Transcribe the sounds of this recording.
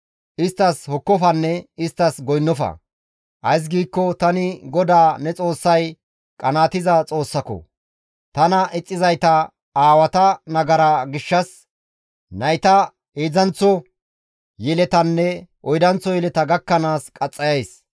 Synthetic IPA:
ʔɪst̪ːɐshɔkːɔfɐnːɛɪst̪ːɐsɡɔjnːɔfɐ̰ | ʔɐjs̬ɡiːkːɔt̪ɐnɪɡɔd̪aːnɛt͡sʼo̞ːsːɐj | kʼɐnaːt̪ɪzɐt͡sʼo̞ːsːɐkɔ̰ | t̪ɐnɐʔɪt͡sʼːɪzɐjt̪ɐ | aːwɐt̪ɐnɐɡɐɾaɡɪʃːɐs | nɐjt̪ɐ | eːd͡zɐnt͡sːɔ | jɛlɛt̪ɐnːɛʔɔjd̪ɐnt͡sːɔjɛlɛt̪ɐɡɐkːɐnaːskʼɐt͡sʼːɐjɐjs

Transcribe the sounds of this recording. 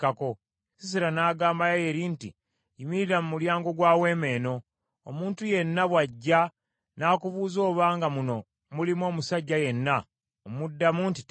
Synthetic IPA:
kako | sis̬iɾanaːɡaːmbajaje̞ɾinti | jimiɾiɾamumuljaːŋɡo̞ɡwaːwe̞ːme̞ːno̞ | omuːntuje̞nːaβwaɟːa | naːkuβuːzo̞ːβaːŋɡamuno̞ | mulimo̞ːmusaɟːaje̞nːa | omudːamunti̥t

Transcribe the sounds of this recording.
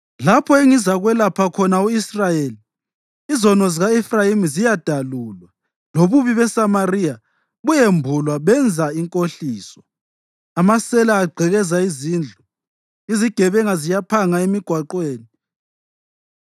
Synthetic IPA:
lapʰɔeŋizaɣwɛlapʰakʰɔnauisrajeːliː | zɔnɔziɣaɛfrajimzijad̥ʱaluːlwa | loβuβiβɛsamarija | ɣujembʱulwaβɛnd͡zʱaiŋkʼoɬiːsɔ̥ | amasɛlaːɡ͡ǀʱɛɣɛzaiziːnd͡ɮʱɔ | iziɡ̥ʱɛβɛŋazijapʰaŋaemiɡ̥ʱwaǃweːni

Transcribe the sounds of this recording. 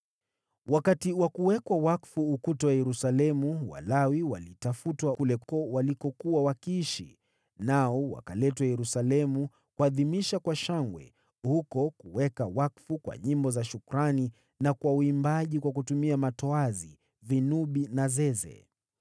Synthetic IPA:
wʔakatiwakuwɛkwawakfuːkutɔwajɛɾusalɛmuwa̰lawiwa̰litafutwakulɛkɔwalikɔkuwawakiiʃḭ | naɔwa̰kalɛtwajɛɾusalɛmu | kuaðimiʃakwaʃaŋɡwɛ̰ | hukɔkuwɛkawakfukwa̰ɲimbɔzaʃukuɾani | nakwauimbaʄikwakutumiamatɔazi | vinuɓinazɛzɛ̰

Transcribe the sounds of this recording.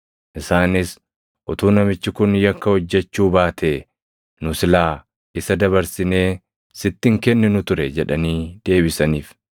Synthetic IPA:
ʔɪsaːnɪs | ʔʊt̪uːnɐmɪt͡ʃːɪkʊnjɐkːɐhɔd͡ʒːɛt͡ʃːuːbaːt̪ʰeː | nʊsɪlaː | ɪsɐd̪ɐβɐɾsɪne̞ː | sɪt̪ːɪŋkɛnːɪnʊt̪ʊɾɛd͡ʒɛᶑɐniːd̪̥e̞ːβɪsɐniːf

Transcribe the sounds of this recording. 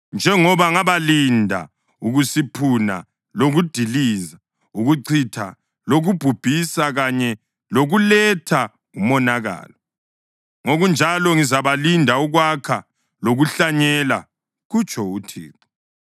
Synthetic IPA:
nd͡ʒʱɛŋɔβaŋaβalindʱa̰ | uɣusipʰuna̰ | loɣud̥ʱiliːza | uɣuǀʰitʰa | loɣub̥ʱub̥ʱisaɣaɲɛ | loɣulɛtʰa | umɔnaɣa̰ːlɔ | ŋoɣund͡ʒʱalɔŋizaβalindʱauɣwakʰa | loɣuɬaɲɛla̰ | ɣut͡ʃʰʼɔutʰḭːǀɔ̥

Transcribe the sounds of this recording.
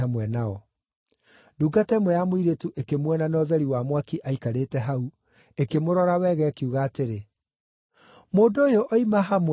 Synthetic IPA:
amwɛnaɔ | duːɡatɛmwɛjamoiɾetuʔekemwɛnanɔðɛɾiwamwakiʔaikaɾeːtɛɦau | ekemoɾɔɾawɛɣɛkiuɣaːteɾe | moːndoːjoʔɔimaɦam

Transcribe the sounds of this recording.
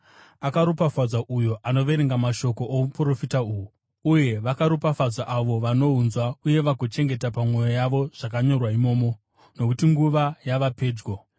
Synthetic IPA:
akaɾupafad͡zaʔujo̞ʔano̞ʋe̞ɾeŋɡamaʃo̞ko̞ʔoupro̞fitauːɦu | uje̞ʋakaɾupafad͡zaʔaʋo̞ʋano̞ɦunzwauje̞ʋakot͡ʃe̞ŋɡe̞tapamwo̞jojaʋo̞ʐ̥ak̬aɲo̞rwaimo̞ːmo̞ | no̞kutiŋɡuʋajaʋape̞ːd͡ʒɡo

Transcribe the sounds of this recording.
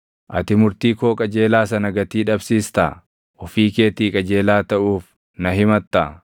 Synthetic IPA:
ʔɐ̰t̪ɪmʊɾt̪iːkoːkʼɐd͡ʒe̞ːlaːsɐnɐɡɐt̪iːᶑɐbsiːst̪ɐ | ʔɔfiːke̞ːt̪iːkʼɐd͡ʒeːlaːt̪ɐʔuːf | nɐɦɪmɐt̪ːɐ

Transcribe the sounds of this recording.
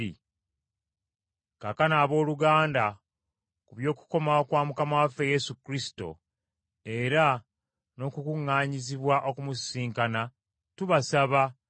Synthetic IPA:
i | kakanaːβo̞ːluɡaːnda | kuβjo̞ːku̥ko̞maokwaːmukamawafeje̞sukɾisi̥to̞̰ | e̞ɾa | no̞ːkukuŋːaːɲiziβwaʔo̞kumussiːŋkana | tuβasaβa

